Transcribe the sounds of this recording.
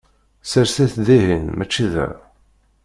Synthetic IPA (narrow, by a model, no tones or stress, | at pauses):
səɾsæθðiɦinmæt͡ʃːiðæ̰